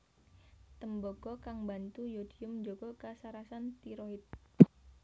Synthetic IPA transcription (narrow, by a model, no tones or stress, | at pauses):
t̪əmboɡ̥ɔkaŋbant̪ujod̥iʊmd͡ʒoɡ̥ɔkasaɾasant̪iɾoɪt̪̚